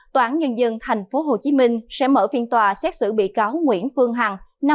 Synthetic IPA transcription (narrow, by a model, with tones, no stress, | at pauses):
t̪waː˧˨˦nɲə˧nzə˧nt̪ʰa˨˩jŋ̟fo˨˦ɦo˨˩t͡ɕi˨˦mï˧ŋ̟sɛ̰˧˥məː˧˩fi˧ənt̪waː˨˩sɛ˦˥t̚sɨ̰˧˩ɓḭ˧˨kaː˨˦wŋwḭ˧˥ənfɨ˧əŋɦa˨˩ŋna˧